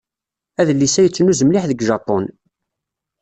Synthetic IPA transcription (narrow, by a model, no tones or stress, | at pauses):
æðəlːisæjət͡sːənuzəmliħðəɡʒɑpon